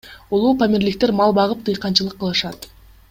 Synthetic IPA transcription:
ulˠuːpamʲeɾlik̚t̪e̞ɾmɑlˠbɑʁɯp̚t̪ʰɯjqɑnt͡ʃɯlˠɯqːəlˠɯʃɑt̪

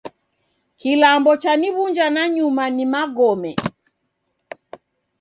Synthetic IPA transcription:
kilambɔt͡ʃaniβuɲd͡ʒanaɲumanimaɡɔmɛ

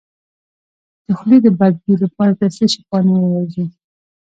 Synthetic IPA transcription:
d̪̥əxlid̪əbad̪̚bilapɑɾat̪aseʃipɑniwəwɑzi

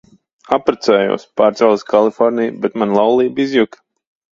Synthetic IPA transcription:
apɾat̪sɛːjṵːspaːɾt̪sɛwlskʰalˠifɔɾnijbɛt̪manlˠawlˠiːbizjuk

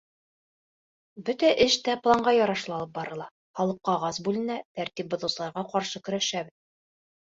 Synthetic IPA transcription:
bɵt̪æʔɘʃt̪æplˠɑɴɢɑjɒɾɑʃlˠɑlˠɤp̚bɑɾɤ̆lˠɑ | χɑlˠɤq̚qɑʁɑsbʉlɘ̆næt̪æɾt̪ip̚bŏðɤ̆sɤ̆lˠɑɾʁɑqɑɾʃɤkɵ̆ɾæʃæbɘð

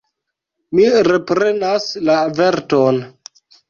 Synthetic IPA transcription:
miɾe̞pɾe̞naslave̞ɾto̞n

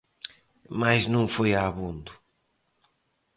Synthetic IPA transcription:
majznũŋ̃fojaβũnd̪u

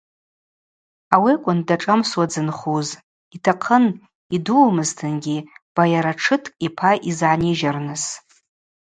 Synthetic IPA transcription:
awiakʷʼʊndaʈ͡ʂʼamswad͡zɨnχuz | itʰaqʰən | iduːmɨztʰɨnɡʲib̥ajaɾaʈ͡ʂʰɨtʰʼipʰaʔizʕaniʒarnɨs

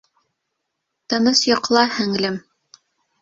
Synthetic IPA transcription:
t̪ɤ̆nɤsjŏqlˠɑhɘ̆ŋlɘm

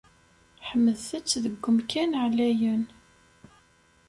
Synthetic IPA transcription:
ħəmːəðθət͡sːðəɡʷːəmkænʕlæjən

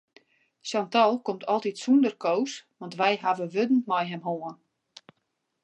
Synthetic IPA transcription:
santɔlˠkomtʰɔlˠtitsundərkowsʋɔntʋɛjɦavəʋødn̩mɔjɦɛmɦoən

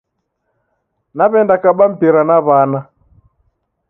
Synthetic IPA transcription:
naβɛndakaɓam̩piɾanaβana

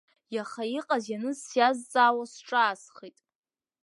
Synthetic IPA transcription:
jaχaiqʼazjanɨzsjazːʼaːwasʈ͡ʂʼaːsχitʼ

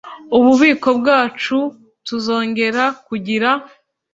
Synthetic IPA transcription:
uβuβiːko̞bɡaːt͡ʃu | tuzo̞ːŋɟe̞ɾakuɟiɾa

